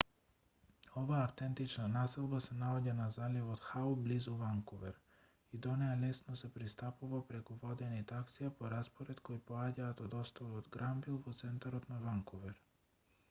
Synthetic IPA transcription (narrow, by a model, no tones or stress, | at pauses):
ovaːft̪ɛnt̪it͡ʃnanasɛlˠbasɛnaɔɟanazalivɔt̪xaublizuvaŋkɔvɛɾ | id̪ɔnɛalɛsnɔsɛpɾist̪apuvapɾɛkuvɔd̪ɛnit̪aksijapɔɾaspɔɾɛt̪koipoaɟaːt̪ɔd̪ɔst̪ɔvɔd̪ɡɾambilˠvɔt̪sɛnt̪aɾɔt̪navaŋkɔvɛɾ